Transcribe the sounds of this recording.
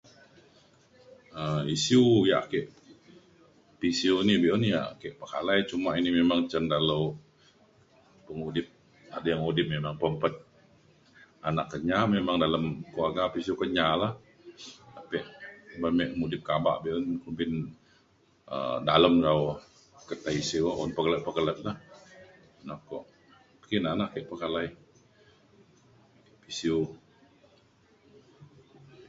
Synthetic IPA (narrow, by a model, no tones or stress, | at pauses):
əisiuja̰ʔkɛʔ | pisiunibiʔunja̰ʔkɛʔpəkalajt͡ʃumainimemaŋt͡ʃəndaləw | pəŋudɪp̚ | a̰dajaŋudɪp̚memaŋpəmpət̪̚ | anakːəɲamemaŋdaləmkuarɡapisiukəɲalah | apɛʔbamɛʔmudɪp̚kaba̰ʔbiʔʊnkumbɪn | ə̰daləmɾaw | kət̪aisiwɔʔunpəkələt̪̚pəɡələt̪̚lah | nakɔʔ | kinanaʔkɛʔpəkalai | pisiu